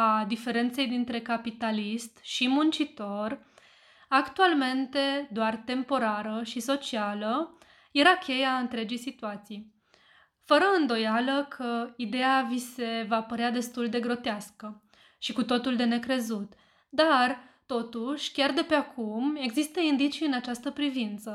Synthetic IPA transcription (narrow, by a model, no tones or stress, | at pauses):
ad̪ife̞ɾe̞nt̪se̞jd̪int̪ɾe̞kapit̪alist̪ʃimunt͡ʃit̪o̞r | akt̪ualme̞nt̪e̞d̪oart̪e̞mpo̞ɾaɾəʃiso̞t͡ʃialə | je̞ɾakʰʲe̞jaɨnt̪ɾe̞d͡ʒijsit̪uat̪sij | fəɾəɨnd̪o̞jaləkʰəid̪e̞avise̞vapəɾead̪e̞st̪uld̪e̞ɡɾo̞t̪easkə | ʃikut̪o̞t̪uld̪e̞ne̞kɾe̞zut̪ | d̪ar | t̪o̞t̪uʃʲkʲard̪e̞pe̞akume̞ɡzist̪əind̪it͡ʃijɨnat͡ʃast̪əpɾivint̪sə